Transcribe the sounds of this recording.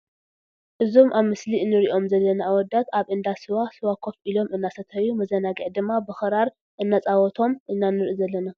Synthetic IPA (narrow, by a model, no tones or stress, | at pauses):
ʔɨzo̞mʔaβmɨsliɨnːɨɾiʔo̞mzɐlːɐnawɔd̪at̪ʰaβʔɨnd̪asɨwasɨwakʰo̞fʔilo̞mɨnːasɐt̪ʰɐwjːumɐzɐnaɡiʕd̪ɨmːabɨxɨɾaɾ | ʔɨnːat͡sʼawɔt̪ʰo̞mʔɨnːanɨɾʔɨzɐlːɐna